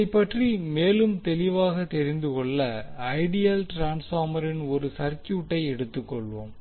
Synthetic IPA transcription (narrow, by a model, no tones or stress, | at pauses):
ɪpːɐʈrimeːlɯmt̪ɛlɪʋaːɣɐt̪ɛɾɪnd̪ɯkɔɭːɐɐɪɽɪjɐlʈɾaːnsaːmɐɾɪnɔɾɯsɐɾt͡ʃːuːʈːɐɪɛɽɯt̪ːɯkːɔɭʋoːm